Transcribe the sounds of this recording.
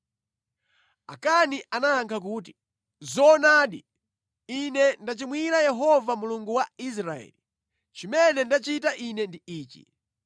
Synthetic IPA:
a̰kaniʔanaːŋkʰak̬uːt̬i̥ | zɔnaːɗi | inɛndat͡ʃimwiɾajɛɦɔvamuluŋɡuwais̬ɾaɛ̰li | t͡ʃimɛnɛndat͡ʃitaʔinɛndiiːt͡ʃḭ

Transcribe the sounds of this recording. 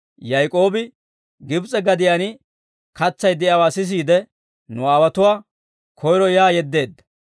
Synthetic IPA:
jɐjkʼo̞ːbɪ | ɡɪbt͡sʼɛɡɐd̪ɪjanɪ | kɐt͡sːɐjd̪ɪɐwaːsɪs̬iːd̪ɛ | nʊaːwɐt̪ʊwaː | kʰɔjɾɔjaːjɛd̪ːe̞ːd̪ːɐ̥

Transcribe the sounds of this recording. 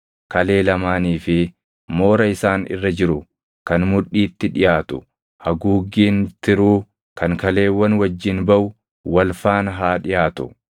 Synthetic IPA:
kɐle̞ːlɐmaːniːfɪ | mo̞ːɾɐɪsaːnɪ̰rːɐd͡ʒɪɾʊ | kɐnmʊᶑːiːt̪ːɪᶑɪjaːt̪ʊ | hɐɡuːɡːiːnt̪ɪɾuː | kɐŋkɐle̞ːwːɐnwɐd͡ʒːɪnbɐʔʊ | wɐlfaːnɦaːᶑɪjaːt̪ʊ̥

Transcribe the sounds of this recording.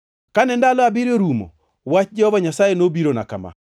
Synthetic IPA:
kanɛndalɔabiɾoɾumo̰ | wat͡ʃd͡ʒɛhɔvaɲasajenobiɾona̰kama̰

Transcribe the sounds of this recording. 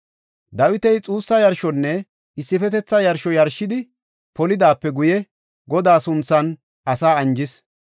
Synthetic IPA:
d̪ɐwɪt̪ɛjt͡sʼuːsːɐjɐɾʃɔnːɛ | ɪsːɪfɛt̪ɛt͡sːɐjɐɾʃɔjɐɾʃːɪd̪ɪ | pɔlɪd̪aːpːɛɡʊjɛ | ɡɔd̪aːsʊnt͡sːɐn | ʔɐsaːɐnd͡ʒɪs

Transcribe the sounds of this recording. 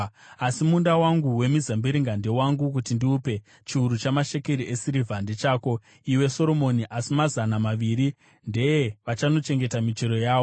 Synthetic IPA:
asimundawaŋɡuwe̞mizambiɾiŋɡande̞waŋɡuk̬utindiuːpe̞ | t͡ʃiuɾut͡ʃamaʃe̞keɾiʔe̞siɾivʱandet͡ʃaːko̞ | iweso̞ɾo̞mo̞niʔasimazanamaʋiɾi | nde̞jeʋat͡ʃano̞t͡ʃe̞ŋɡe̞tamit͡ʃeɾo̞jaːo

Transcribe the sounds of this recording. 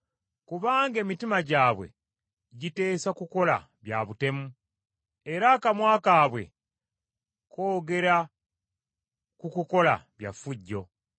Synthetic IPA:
kuβaːŋɡe̞ːmitimaɟaːβwe̞̰ | ɟite̞ːsakuko̞la̰ | βja̰βute̞mu | e̞ɾakamwaːkaːβwe̞̰ | kʰo̞ːɡe̞ɾa | kukuko̞la̰βja̰fuɟːo̞

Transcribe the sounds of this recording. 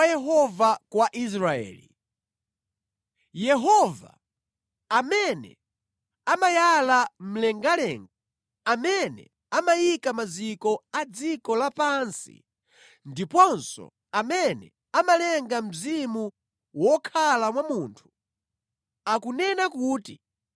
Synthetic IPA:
ajɛɦɔvakwaʔis̬ɾaɛ̰ːli | jɛɦɔva̰ | amɛnɛ̰ | amajalam̩lɛŋɡalɛːŋɡa | amɛnɛ̰ | amajikamazikɔad͡zikɔlapansḭ | ndipɔnsɔ̰ | amɛnɛ̰ | amalɛŋɡam̩zimu | wɔkʰalamwamuːntʰu̥ | akunɛnakuːti

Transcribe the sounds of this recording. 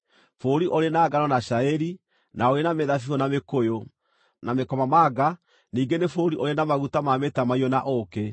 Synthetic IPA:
foɾiʔoɾenaːɡanɔnaɕaeɾi | naoɾenameðafiɔnamekojo | namekɔmamaɡa | niːɡenefoɾiʔoɾenamaɣutamametamaiɔnaʔoke

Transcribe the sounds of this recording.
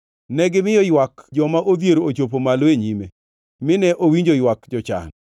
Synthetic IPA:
nɛɡɪmɪjɔjwakd͡ʒɔmaʔod̪jeɾoot͡ʃopomaloeɲime | mɪnɛʔowiɲd͡ʒojwakd͡ʒɔt͡ʃa̰n

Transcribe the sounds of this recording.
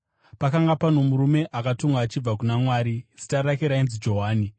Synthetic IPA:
pakaŋɡapano̞muɾume̞ʔakatoŋɡaːt͡ʃib͡vakunamwaːɾizi̥taɾakeɾainzid͡ʒo̞ɦaːni

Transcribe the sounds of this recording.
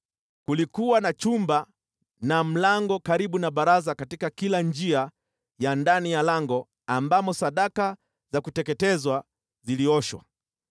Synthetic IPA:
kulikuwanat͡ʃumba | nam̩laŋɡɔkaɾiɓunaɓaɾazakatikakiland͡ʒia | jandanijalaŋɡɔ | ambamɔsaɗaka | zakutɛkɛtɛzwa | ziliɔʃwa̰

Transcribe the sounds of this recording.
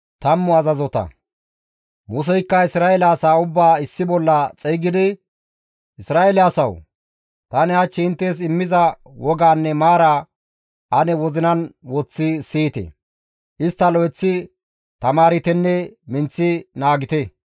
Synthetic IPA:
t̪ɐmːɔɐzɐzɔt̪ɐ̰ | mus̬ɛjkːɐɪsɾaːɛlaːsaːʊbːaːɪsːɪbɔlːɐt͡sʼɛjɡɪd̪ɪ | ʔɪsɾaːɛlaːsɐw | t̪ɐnɪɐt͡ʃːɪɪnt̪ːeːs̬ɪmːɪzɐ | wɔɡaːnːɛmaːɾaː | ʔɐnɛwɔzɪnɐnwɔt͡sːɪsiːt̪ɛ̰ | ʔɪst̪ːɐlɔjɛt͡sːɪ | t̪ɐmaːɾɪt̪ɛnːɛmɪnt͡sːɪnaːɡɪt̪ɛ

